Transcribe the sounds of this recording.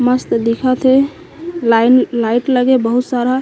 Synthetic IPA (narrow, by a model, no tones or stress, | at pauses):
məst̪d̪ikʰat̪ʰe | llaɪʈləɡebəɦut̪saɾa